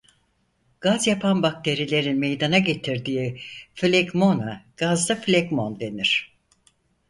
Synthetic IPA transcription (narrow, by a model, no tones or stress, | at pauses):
ɡ̥azjapʰanbak̚t̪ʰe̞ɾilʲe̞ɾinme̞jd̪anaɟe̞t̪ʰiɾd̪iːflʲeɡmonaɡ̥azd̪aflʲeɡmo̞nd̪e̞niɾ̝̥